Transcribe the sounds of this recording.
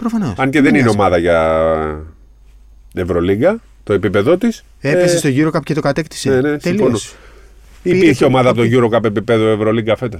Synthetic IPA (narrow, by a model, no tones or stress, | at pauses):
pɾofɐnosɐnceðenineo̞mɐðɐʝɐ | evɾo̞liɡɐ | t̪oepipe̞ðo̞t̪is | epesest̪oʝuɾokɐpcet̪o̞kɐt̪ekt̪i̥senenest̪elionos | ipiɾçeo̞mɐðɐpot̪oʝuɾo̞kɐpe̞pipeðoe̞vɾoliɡɐfe̞t̪ɐ